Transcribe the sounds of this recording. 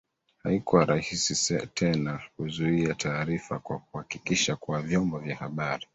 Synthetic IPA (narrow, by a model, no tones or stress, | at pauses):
ha̰ikuwaɾahisistʰɛnakuzuiatʰaːɾifakwakuhakikiʃakuavjɔmbɔvjahaɓaɾi